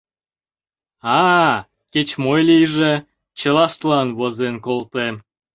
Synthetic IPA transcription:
ɑ | ket͡ɕmojlijʒe | t͡ɕəlɑʃt̪lɑnβozenkolt̪em

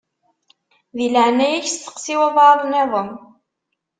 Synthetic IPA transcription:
ðilʕənːæjæçsθə̥qsiwæðˤɑðˤneðˤəm

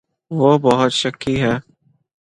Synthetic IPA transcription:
ʋoːbɔɦʊt̪ʃəkːiɦɛː

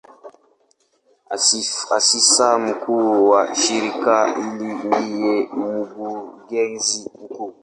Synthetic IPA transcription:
aasisam̩kuwaʃiɾikailiwijemuɡuɡɛnziuku

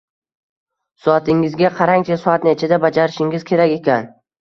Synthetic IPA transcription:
sɒat̪ʰɪŋɪzɡʲaqʰɑɾaŋt͡ʃʰasɒat̪net͡ʃʰad̪abad͡ʒaɾɪʃɪŋɪz̥kʲʰe̞ɾakʲe̞kʲan

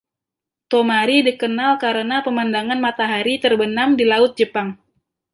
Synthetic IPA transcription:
t̪omaɾidikənalkaɾənapəmandaŋanmat̪aɦaɾit̪ərbənamdilaʊt̪̚d͡ʒəpaŋ

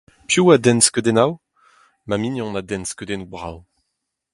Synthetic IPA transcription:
pjuad̪ɛnskød̪ɛnaw | maminjɔ̃nad̪ɛnskød̪ɛnubʁa̰w

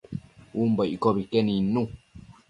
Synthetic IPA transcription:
wumbɔʔkɔbikɛninũ

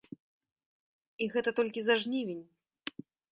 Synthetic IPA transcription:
iɣɛt̪ɐt̪ɔlʲkʲizaʐnʲivʲinʲ

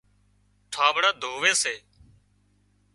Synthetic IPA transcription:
ʈʰãːʋɽaːd̪ʱoːʋeːseː

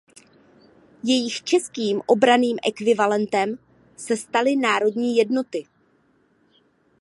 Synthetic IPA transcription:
jɛjɪxt͡ʃɛskiːmʔo̞bɾaniːmʔɛkvɪvalɛnt̪ɛm | sɛst̪alɪnaːɾo̞dɲiːjɛdno̞t̪ɪ

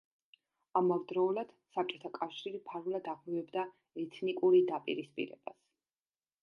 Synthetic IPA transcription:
amavd̪ɾɔːlad̪̥sap̚t͡ʃʼɔt̪ʰakʼafʃiɾipʰaɾvlad̪aʁmivɛbd̪a | ɛt̪ʰnikʼuɾid̪apʼḭɾispʼḭɾɛ̰b̥as

